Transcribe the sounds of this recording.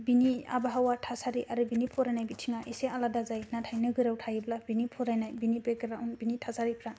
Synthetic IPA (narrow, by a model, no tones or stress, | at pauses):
binia̰baɦawatʰasaɾiʔaɾɯbinipʰɔɾajnajbitʰiŋaʔisealadazajnatʰajnɯɡɯɾawtʰajɯblabinipʰɔɾajnajbinibekɯɾaunbinitʰasaɾipʰɾa